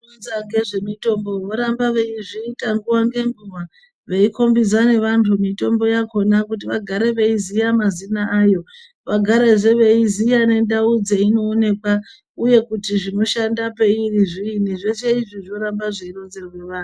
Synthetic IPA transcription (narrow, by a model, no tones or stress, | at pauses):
onzaŋɡe̞ʐe̞mito̞mbo̞ʋoɾambaʋe̞iʐiːtaŋɡuwaŋɡe̞mbuma | ʋe̞iko̞mbid͡zane̞ʋantʰumito̞mbo̞jako̞nakut̬iʋaɡʱaɾe̞ʋe̞izijamazinaajo̞ | ʋaɡʱaɾe̞ʐe̞ʋe̞izijane̞ndaud͡zeino̞ːne̞kwa | uje̞kutiʐino̞ʃandape̞iriʐiːniʐe̞t͡ʃe̞iʐiʐo̞ɾambaʐeiɾonzerwe̞ʋaːn̤tu